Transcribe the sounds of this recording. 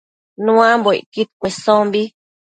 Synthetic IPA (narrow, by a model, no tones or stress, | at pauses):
nũãmbo̰kit̪̚kʷesõmbi